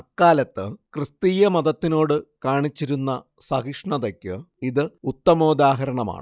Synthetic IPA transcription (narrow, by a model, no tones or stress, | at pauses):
ɐkːaːlɐt̪ːɨkrɨst̪iːjɐmɐðɐt̪ːino̞ːɽɨkaːɳit͡ɕːiɾunːɐ | sɐɣiʂɳɐðɐkʲːɨ | iðɨut̪ːɐmo̞ːd̪aːɦɐɾɐɳɐma̰ːɳɨ